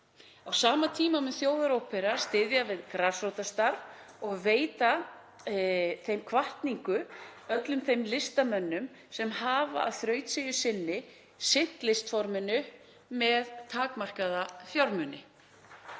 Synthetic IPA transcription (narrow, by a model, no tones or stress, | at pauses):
awsaːmat̪ʰiːmamɛðθjoːwðaɾowpɛɾast̪ɪðjavɪðkɾaːsowt̪ast̪aɾv | ɔɣveːjt̪a | θejmkʰvaht̪niŋkʏœt̪lʏmθejmlɪst̪amœnːʏm | sɛmhaːva̰ʔa̰ðθɾœːɥt̪sɪjʏsɪnːɪ | sɪn̥t̪lɪst̪fɔɾmʏnːʏ | mɛðt̪ʰaːkmar̥kaðafjaɾmʏnɪ